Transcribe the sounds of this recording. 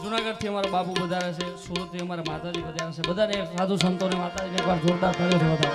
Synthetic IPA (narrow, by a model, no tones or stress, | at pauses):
d͡ʒunaɡəɖ̚t̪ʰiəmaɾabapubəd̪ʱaʋet͡ʃʰesuɾut̪ʰiəmaɾamat̪ad͡ʒibəd̪ʱaʋet͡ʃʰebəd̪ʱaneesad̪ʱusənt̪onemat̪ad͡ʒinekʋaɾd͡ʒoɾd̪aɾk̪əɾet̪ʰəɦət̪a